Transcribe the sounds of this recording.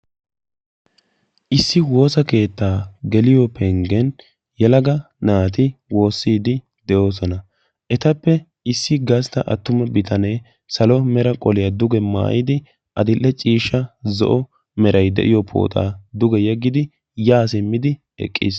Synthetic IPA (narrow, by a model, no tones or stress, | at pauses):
ʔɪsːɪwo̞ːsɐke̞ːt̪ːaːɡɛlɪjɔpʰɛŋɡɛn | jɛlɐɡɐ | naːt̪̬ɪwo̞ːsːiːd̪ɪ | d̪ɛʔo̞ːs̬ɔnɐ | ʔɛt̪ɐpːɛ | ɪsːɪɡɐst̪ɐʔɐ̰t̪ːʊmɛbɪt̪ʰɐneː | sɐlɔmɛɾɐkʼɔlɪjad̪ʊɡɛma̰ːʔɪd̪ɪ | ʔɐd̪ɪlːɛt͡ʃʼiːʃːɐzɔ̰ʔɔ | mɛɾɐjd̪ɛ̰ʔɪjɔpʰo̰ːt̪ʼa̰ːd̪ʊɡɛjɛɡːɪd̪ɪ | jaːs̬ɪmːɪd̪ɪ | ɛ̰kʼːḭs